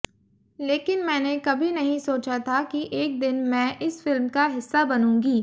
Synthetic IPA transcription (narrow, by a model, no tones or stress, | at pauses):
leːkɪnmɛ̃ːnekɐbʱinɐɦĩsoːt͡ʃat̪ʰakiʔeːk̚d̪ɪnmɛ̃ːʔɪsfɪlmkaɦɪsːabɐnũːŋɡiː